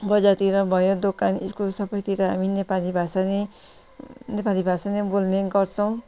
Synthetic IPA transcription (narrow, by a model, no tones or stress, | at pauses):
bʌd͡zat̪iɾʌbʱʌjod̪okaniskolsʌbʌjt̪iɾʌɦaminepalibʱasane | nepalibʱasanebolneɡʌɾt͡sʰʌw̃